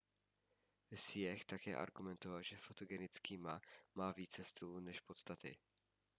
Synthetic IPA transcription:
sɪjɛxt̪akɛ̰ːʔa̰ɾɡumɛnt̪ovalʒɛfot̪oɡɛnɪt͡skiːmamaːviːt͡sɛst̪ɪlunɛʃpo̞t̪st̪at̪ɪ̰

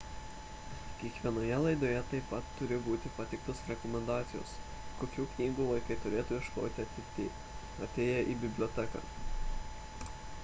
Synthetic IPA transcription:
kʲiɛkʋʲiɛnoːjɛlˠɐɪd̪oːjɛt̪ɐɪpːɐt̪ːʊɾʲɪbuːt̪ʲɪpɐt̪ʲɪkt̪osɾʲɛkɔmʲɛnd̪ɑːt̪sʲɪjo̰ːs | koːkʲuːknʲiːɡuːʋɐɪkɐɪt̪ʊɾʲeːt̪uːɪʃklˠo̰ːt̪ʲɪɐt̪ʲɪt̪ʲḛː | ɐt̪ʲeːjɛʔiːbʲɪbʲlʲoːt̪ʲɛkɑ̰ː

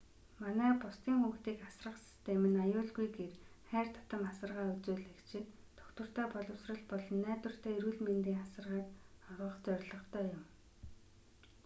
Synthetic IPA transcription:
manæːpʊst̪iːŋxuːxt̪iːkasrə̆qsi̥st̪ʰemɘ̆najʊːɮɡujɡerχæːrt̪ʰḁt̪ə̆masə̆rʁaːut͡suːɮekt͡ɕʰɪ̆n | t̪ʰɔ̥kt̪wə̆r̥t̪æːpɔɮɞ̆wsrə̆ɮpɔɮɞ̆nːæːt̪wə̆r̥t̪ʰæːiɾuːɮment̪iːŋasə̆rʁaːt̪ɔɾʁɞ̆χt͡sœrʲɮɞ̆χt̪ʰœːjʊm

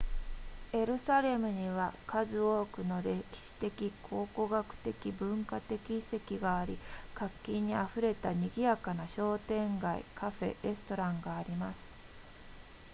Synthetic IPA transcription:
e̞ɾɯ̟saɾe̞mɯ̟ɲ̟iβakazɨo̞ːkɯ̟no̞ɾe̞kʲi̥ɕi̥t̪e̞kʲikʰo̞ːko̞ɡakɯ̟̥t̪e̞kʲibɯ̟̃ŋkat̪e̞kʲise̞kʲiɡaːɾʲikakʲːĩɲ̟ːiaɸɯ̟ɾe̞t̪aɲ̟iɡʲijakanaɕo̞ːt̪ẽ̞ŋɡaḭkaɸe̞̰ɾe̞sɨ̥t̪o̞ɾãŋɡaːɾʲimasɨ̥

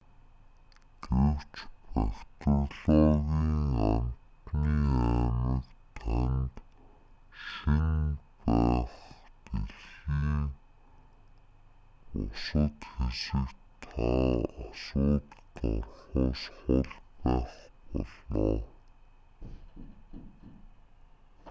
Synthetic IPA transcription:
t̪uwt͡ɕpækt̪ə̆ɮɔːɣiːŋamt̪niːæːmə̆kt̪ʰant̪ | ʃinpæːχp̪eɮiːŋ | ʊsə̆t̪xesɘ̆kt̪ʰaasʊːt̪t̪ɔrχʊːsχʊɮpæːχpɔɮɔː

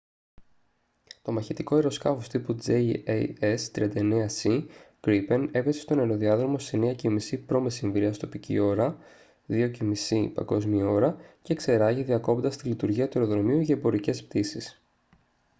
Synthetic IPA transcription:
t̪o̞mɐçet̪iko̞eɾo̞skɐfo̞st̪ipud͡zeiest̪ɾiɐnd̪ɐeneɐsiɡɾipe̞ne̞pesest̪o̞ne̞ɾo̞ðiɐðɾomo̞seneɐcemisipɾo̞mesiɱvɾiɐst̪o̞picḭo̞ɾɐ | ðio̞cemisipɐ̰ŋɡo̞zmio̞ɾɐce̞ːkse̞ɾɐʝiðiɐko̞pond̪ɐst̪ilit̪uɾʝiɐt̪ue̞ɾo̞ðɾo̞miuʝɐebo̞ɾice̞sp̚t̪isis

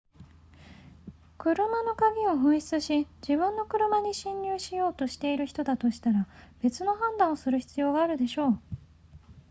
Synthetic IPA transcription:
kɯ̟ɾɯ̟mano̞kaɡʲio̞ɦɯ̟̃ɰ̃çʲi̥t͡sɨɕid͡ʑibɯ̟̃nːo̞kɯ̟ɾɯ̟maɲ̟iɕĩɲːʲɨːɕijo̞ːt̪o̞ɕi̥t̪e̞iɾɯ̟çi̥t̪o̞d̪at̪o̞ɕi̥t̪aɾab̥e̞t͡sɨno̞ɦãnd̪ãɰ̃osɨɾɯ̟çi̥t͡sɨjo̞ːɡaːɾɯ̟d̪e̞ɕo̞ː

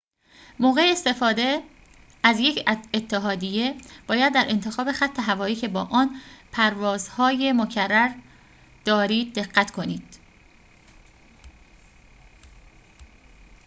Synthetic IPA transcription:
moːɣe̞eːst̪e̞fɒːd̪e̞ | æzje̞cʰet̪ʰːeɦɒːd̪ije̞b̥ɒːjæd̪ːæɾʔe̞nt̪ʰexɒːbe̞xæt̪ʰːe̞ɦævɒːiːcʰe̞bɒːʔɒːnpʰæɾvɒːzhɒːje̞mocʰærːæɾ | d̪̥ɒːɾiːd̪̚ːe̞ɢːæt̪ʰkʰo̞niːd̪̥

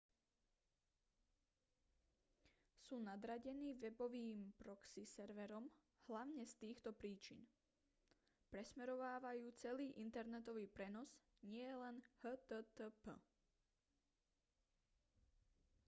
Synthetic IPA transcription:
suːnad̪ɾaɟɛniːʋɛbɔʋiːmpɾɔksisɛɾʋɛɾɔm | hlaʊɲɛst̪iːxt̪ɔpɾiːt͡ʃḭn | pɾɛsmɛɾɔʋaːʋajuːt͡sɛliːʔint̪ɛɾnɛt̪ɔʋiːpɾɛnɔz | ɲɪɛjɛlɛnhət̪ət̪əpə̰

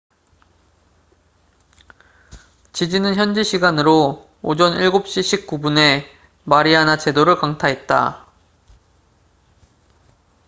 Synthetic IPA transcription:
t͡ɕid͡ʑinɯnçjʌnd͡ʑiɕʰiɡanɯɾo | od͡ʑʌniɭɡop̚ɕ͈iɕʰik͈ubune̞ | maɾianat͡ɕe̞doɾɯɭkaŋtʰaɦe̞t̚t͈a̰

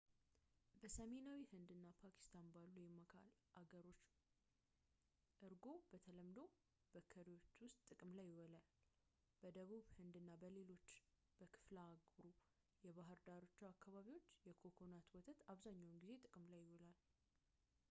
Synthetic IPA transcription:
bəsəme̞nawihɨnd̪ɨnːapʰakʰi̥st̪ʰanbalːujɪmːəkʰa̰lʔaɡəɾo̞t͡ʃː | ʔɨɾɡo̞bət̪ʰələmd̪o̞ | b̥əkʰːəɾiwo̞t͡ʃːwʊst̪ʼːɨkʼɨmlajːɪwɔlal | b̥əd̪əβuβhɨnd̪ɨnːabəle̞lo̞t͡ʃː | b̥əkʰɨ̥flaːɡɾu | jɛβaɦɨɾd̪aɾot͡ʃːuakːaβaβiwo̞t͡ʃːjɛkʰo̞kʰo̞nat̪wɔt̪ʰət̪aβzaɲːawnɡize̞t̪ʼɨkʼɨmlajːɪwɔlal

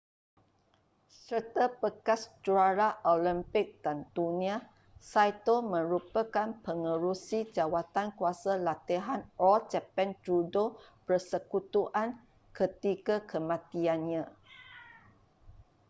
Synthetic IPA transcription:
sərt̪apəkast͡ʃuaɾaʔolimpɪk̚d̥ant̪unĩa | sajt̪omə̃ɾupəkanpəŋəɾusid͡ʒawat̪ankuasalat̪iɦanɔlt͡ʃɛpɛndɾudopərsəkut̪uʔan | kət̪ikakʰəmãt̪ianɲã

